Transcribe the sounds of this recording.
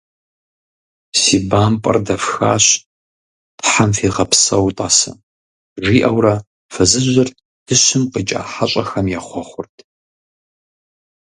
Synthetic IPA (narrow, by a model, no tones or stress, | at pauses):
siːbaːmpʼɐ̰rdɐfxaːɕ | tħamfiːʁɐpsɐwtʼaːsɐ̰ | ʒiːʔɐwrɐ | fɐzɨʑɐr | d̥ʰɨɕɪmqit͡ʃʼa̰ːħaɕʼɐxɐmjaːχʷɔχʷʊrtʰ